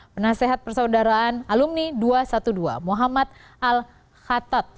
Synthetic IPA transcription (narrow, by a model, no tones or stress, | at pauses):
pənaseɦat̪̚pərsaudaɾaːnalumniduasat̪udua̰muɦamat̪̚ | ʔal | xat̪at̪̚